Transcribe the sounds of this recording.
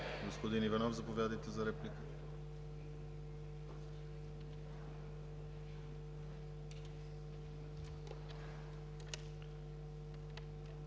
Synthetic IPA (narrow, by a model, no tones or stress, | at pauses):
ɡospod̪inivɐnɔfzɐpovʲjad̪əjt̪ɛzɐɾɛplikə̥